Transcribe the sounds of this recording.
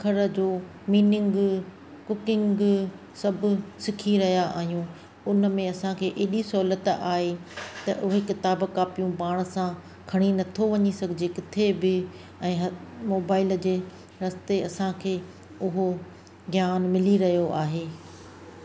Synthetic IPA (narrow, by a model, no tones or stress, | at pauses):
kʰɐɾə̆d͡ʑoː | miːnɪŋɡ | kʊkɪ̃ŋɡ | sɐbʱsɪkʰiɾɐɦjaʔa̰ːɦijũ | ʊnmẽɐsãkʰeːʔeːɗisɔɦlət̪aːɦet̪ɐʔʊɦekɪt̪aːbkaːpijũpaːɽ̃əsã | kʰɐɽ̃inɐt̪ʰoʋɐɲisɐɡʱɪd͡ʑekɪt̪ʰebɪ | ɛ̃ːɦɐmoːbaːɪld͡ʑeː | ɾɐst̪eɐsãkʰeː | ʊɦo | ɡjaːnmɪliɾɐɦijoʔaːɦeː